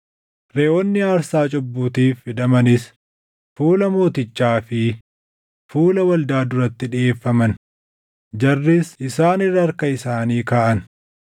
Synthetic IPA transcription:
ɾeːʔɔnːɪaːɾsaːt͡ʃʼʊbːuːt̪iːfːɪd̪ɐmɐnɪs | fuːlɐmo̞ːt̪ɪt͡ʃːaːfɪ | fuːlɐwɐld̪aːd̪ʊɾɐt̪ːɪᶑɪʔe̞ːfːɐmɐn | d͡ʒɐrːɪsɪsaːnɪrːɐɐɾkɐɪsaːniːkaːʔɐn

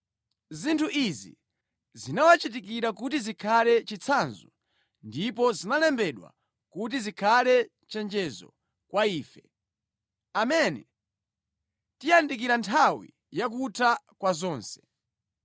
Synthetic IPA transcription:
zintʰuʔizḭ | zinawat͡ʃit̬ikiɾakutizikʰalɛt͡ʃit͡sʰanzu | ndip̬ɔzinalɛmbɛɗwa̰ | kut̬izikʰalɛ | t͡ʃɛnd͡ʒɛzɔ̰ | kwaiːfɛ | amɛnɛ | tijandik̬iɾantʰawḭ | jak̬utʰakwazɔːnsɛ̥

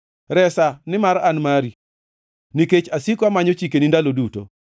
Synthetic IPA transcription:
ɾɛsanɪmaɾanmaɾi | niket͡ʃasikamaɲot͡ʃikenindaloduto̰

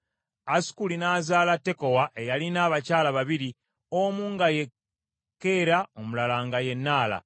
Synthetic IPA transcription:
asi̥kulinaːzaːlatːe̞ko̞waʔe̞jalinaːβacaːlaβaβiɾi | omuːŋɡaje̞ | kːe̞ɾao̞mulalaːŋɡaje̞nːaːla̰

